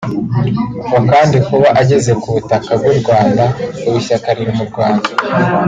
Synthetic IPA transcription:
ɡakaːndikuβaʔaɟe̞ze̞kuβutakab̚ɡuɾɡwaːndauβuʃakaɾiɾimuɾɡwaːnda

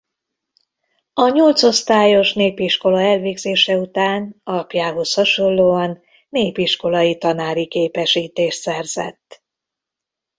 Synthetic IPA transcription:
ɒɲo̞lt̪so̞st̪aːjo̞ʃneːpiʃko̞lɒɛlveːɡzeːʃɛut̪aːnɒlɒpjaːɦo̞shɒʃo̞lːoːɒnː | eːpiʃko̞lɒjit̪ɒnaːɾikeːpɛʃiːt̪eːʃt̪sɛrz̥ɛ̰t̪ː

